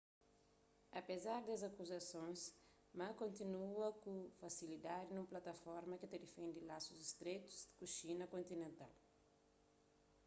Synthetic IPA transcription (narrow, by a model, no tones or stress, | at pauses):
ɐpezaɾd̪ɐzakuzɐsõj̃s | mãkõnt̪inuɐkufɐsilid̪ad̪inũmplat̪ɐfɔɾmɐkɪt̪ed̪efẽnd̪ilasuzist̪ɾet̪u̥zkuʃinɐkõnt̪inẽnt̪a̰l